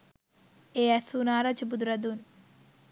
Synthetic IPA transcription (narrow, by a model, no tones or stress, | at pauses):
eːɐsunaːɾɐd͡ʒibud̪ɾɐd̪un